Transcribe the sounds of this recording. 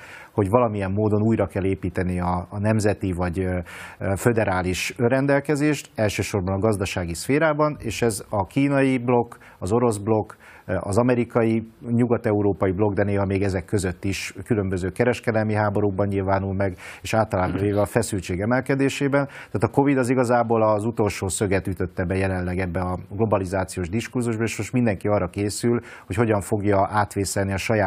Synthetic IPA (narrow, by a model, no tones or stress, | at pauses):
ho̞ɟʋɒlɒmiɛmːoːd̪o̞nuːjɾɒkɛlːeːpiːt̪ɛniɒnɛmzɛt̪ivɒɟ | fød̪ɛɾaːliʃøɾɛnd̪ɛlkɛzeːʃt̪ɛlʃøːʃo̞rbɒnɒɡɒzd̪ɒʃaːɡisfeːɾaːbɒneːʃɛzɒkiːnɒjiblo̞kː | ɒzo̞ɾo̞zblo̞kː | ɒ̰zɒmɛɾikɒjiɲuɡɒt̪ɛuɾoːpɒjiblo̞ɡd̪ɛneːɦɒmeːɡɛzɛkːøzøt̪ːiʃkylø̞mbø̞zøːkɛɾɛʃkɛd̪ɛlmiɦaːbo̞ɾuɡ̚bɒɲːilvaːnulmɛɡeːʃaːlt̪ɒlaːbɒveːvɛɒfɛsylt͡ʃeːɡɛmɛlkɛd̪eːʃeːbɛnt̪aːt̪ɒko̞vid̪ɒziɡɒzaːboːlɒzut̪o̞lʃoːsøɡɛt̪yt̪ø̞t̪ːɛbɛjɛlɛnlɛɡɛbːɛɒɡlo̞bɒlizaːt̪sijoːʒd̪iʃkurzuʒbɒeːʃmoʃt̪mind̪ɛŋkiɒrːɒkeːsyl | hocho̞ɟɒɱfo̞ɡjɒʔaːt̪ʋeːsɛlniɒʃɒjaː